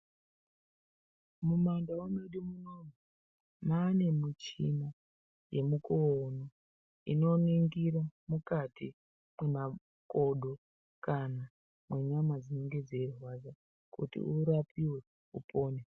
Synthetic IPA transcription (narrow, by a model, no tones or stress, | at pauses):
mumandawameɗimunomu | maːne̞mut͡ʃimo | je̞mukono | ḭno̞niŋɡiɾamukatʰi | mwe̞ma | ko̞ɗo̞ | kana | mwe̞ɲamad͡zine̞ŋɡe̞d͡zerwad͡za | kṵtḭʔuɾapiwe̞ | upʰo̞ːne